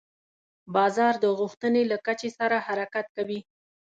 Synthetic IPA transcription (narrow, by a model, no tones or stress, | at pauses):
bɑzɑɾd̪əɣuxt̪ənelakat͡ʃesaɾahaɾakat̪̚kawi